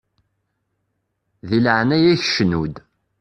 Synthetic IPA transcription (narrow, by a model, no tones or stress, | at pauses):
ðilʕnæjæçəʃnud̪